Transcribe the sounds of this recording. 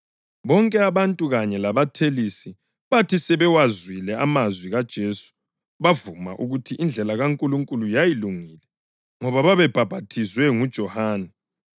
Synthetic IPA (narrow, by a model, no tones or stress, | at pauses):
βɔŋkʼɛaβantʼuɣaɲɛlaβatʰelisi | βatʰisɛβɛwazwilɛamazwiɣad̥ʒ̥ʱeːsu̥ | βavuma̰ʔuɣutʰiʔind͡ɮʱɛlaɣaŋkʼuluŋkʼulujajiluŋilɛ | ŋɔβaβaβɛb̥ʱab̥ʱatʰizwɛŋud̥ʒ̥ʱɔhaːnɛ